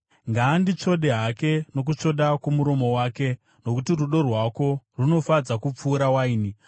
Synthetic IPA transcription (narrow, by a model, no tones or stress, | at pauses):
ŋɡaːndit͡ʂo̞ɗe̞ɦake̞no̞k̬ut͡ʂo̞ɗakomuɾo̞mo̞waːke̞ | no̞kutiruɗo̞rwako̞runo̞fad͡zakup͡fuːɾawaiːni